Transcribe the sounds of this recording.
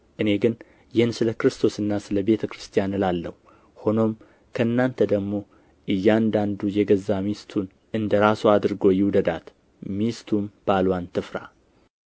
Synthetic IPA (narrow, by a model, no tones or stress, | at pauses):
ʔɨne̞ɡɨn | jɛnsɨləkɨɾɨst̪ʰo̞sɨnːasɨləbe̞t̪ʰəkɨɾɨst̪ʰijanɨlalːəhu | ho̞no̞m | kʰəɨnːant̪ʰəd̪əɡmo̞ | ʔɨjːand̪and̪ujɛɡəzːamist̪ʰun | ʔɨnd̪əɾasuad̪ɨɾɨɡo̞jɪwd̪əd̪at̪ | mist̪ʰumb̥alwant̪ʰɨfɾa̰